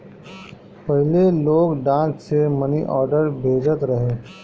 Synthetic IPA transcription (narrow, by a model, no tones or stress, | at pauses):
pɐɦɪleloːɡɖãːssemɐniʔɔːɾɖəɾbʱeːd͡ʒət̪ɾɐɦẽː